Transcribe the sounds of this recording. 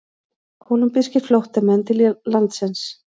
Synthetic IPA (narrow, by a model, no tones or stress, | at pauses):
hɔnʏmpɪscɪɾflowht̪amɛnt̪ʰɪllant̪sɪns